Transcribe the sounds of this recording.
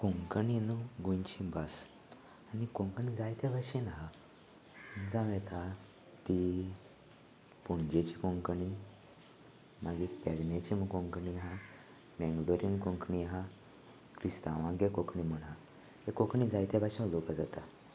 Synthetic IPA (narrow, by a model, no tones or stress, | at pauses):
koŋkninuɡũjt͡ɕĩbas | anikoŋkəɳid͡zajt̪ebaɕinɦa | d͡zãʋẽt̪ʰa | t̪i | puɳd͡ʑet͡ɕikõŋkɳi | maɡipɛɡnet͡ɕiməkõŋkɳiɦã | mɛ̃ŋɡloɾimkoŋkɳiɦã | kɾist̪aʋãɡekokɳim̤əɳɦã | hekokɳid͡zajt̪ɛbaɕilokad͡zat̪a